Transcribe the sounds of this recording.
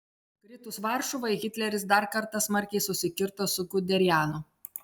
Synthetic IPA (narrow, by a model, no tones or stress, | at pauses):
kɾʲɪt̪ʊsʋɑˑɾʃʊʋɐɪɣʲɪt̪ʲlʲɛɾʲɪs̬d̪ɐɾkɐɾt̪ɐsmɐɾʲkʲɛɪsʊsʲɪkʲɪɾt̪osʊɡʊd̪ʲɛɾʲjæːnʊ